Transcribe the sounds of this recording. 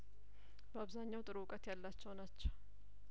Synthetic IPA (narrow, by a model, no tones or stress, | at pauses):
bəaβzaɲːawt̪ʼɨɾukʼət̪jalːat͡ʃːɛwnat͡ʃːɛw